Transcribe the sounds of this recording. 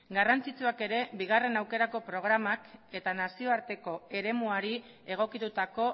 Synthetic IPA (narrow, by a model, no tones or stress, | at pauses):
ɡarant͡sit͡suake̞ɾe̞biɣ̞are̞nawke̞ɾako̞pɾo̞ɣ̞ɾamake̞t̪anasio̞aɾt̪e̞ko̞e̞ɾe̞muaɾi | e̞ɣ̞o̞kit̪ut̪ako̞